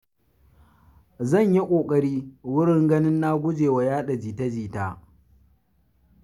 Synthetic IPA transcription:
zɐ˦˨ɲji˦kʷʼoː˨kʼɐ˦ɽiː˦wʊ˦ɽɪ˦ŋɡɐ˦nɪ˦nːaː˦ɡʷʊ˦d͡ʒeː˨wa˨jaː˦ɗa˨d͡ʒiː˨ta˦d͡ʒiː˨taː˦

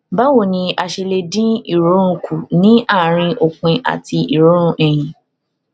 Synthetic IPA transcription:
ba˦wo˦˨nĩ˧a˧ʃe˧le˧dĩ˦i˦˨ɾo˨˦ɾ̃ũ˧kʰu˨nĩ˦a˦˨ɾ̃ĩ˧ʔo˨k͡pĩ˧ʔa̰˨ti˧i˨ɾo˨˦ɾ̃ũ˧ʔɛ˨jĩ˨

